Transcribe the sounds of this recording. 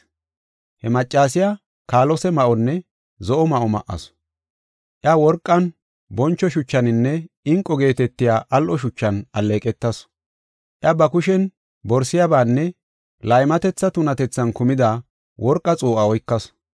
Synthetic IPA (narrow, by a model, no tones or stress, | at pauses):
hɛmɐt͡ʃʼːaːsɪja | kaːlɔsɛmɐʔɔnːɛ | zɔʔɔmɐʔɔmɐ̰ʔːɐ̰s | ʔjawɔɾkʼːɐn | bɔnt͡ʃːɔʃʊt͡ʃːɐnɪnːɛ | ɪŋkʼːɔɡe̞ːt̪ɛt̪ːɪjaːʔɐlʔɔʃʊt͡ʃːɐnɐlːeːkʼɛt̪ːɐs | ʔjɐbɐkʊʃɛn | bɔɾsɪjabaːnːɛ | lɐjmɐt̪ɛt͡sːɐt̪ʊnɐt̪ɛt͡sːɐnkʊmɪd̪ɐ | wɔɾkʼːɐt͡sʼuːʔɐɔjkːɐs